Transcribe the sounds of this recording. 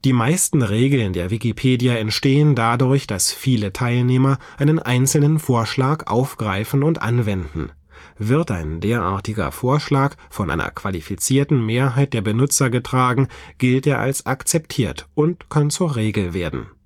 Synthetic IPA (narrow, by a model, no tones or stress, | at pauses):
d̥iːmaɪstn̩ʁeːɡl̩ɪndeːɐvikipʰeːdjaɛntʃteːəndadʊɐçd̥asfiːlətʰaɪlneːmɐʔaɪnənʔaɪnt͡sl̩nənfoːɐʃlaːkʔa̰ʊfɡ̥ʁaɪfn̩ʊntʔa̰nvɛndn̩ | vɪɐtʔa̰ɪndeːɐʔa̰ːɐtɪɡɐ̰foːɐʃlaːkfɔnʔa̰ɪnɐ̰kv̥a̰lifit͡siːɐtn̩meːɐɦaɪt̚d̥eːɐbənʊt͡sɐɡətʁ̥aːɡŋ̩ɡ̥ɪlteːɐʔa̰lsʔakt͡sɛptʰiːɐtʔʊntkʰant͡suːɐʁeːɡl̩veːɐdn̩